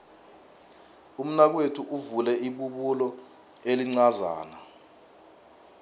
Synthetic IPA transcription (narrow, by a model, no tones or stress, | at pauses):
um̩nak̬wetʰuʔuvulɛiɓuɓulɔ | eliŋ͡ǀaza̰ːna